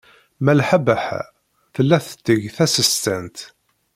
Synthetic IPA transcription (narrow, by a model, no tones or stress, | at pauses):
mælħabəħ | θəlːæθə̥t̪ːəʝθæsəst̪ænt̪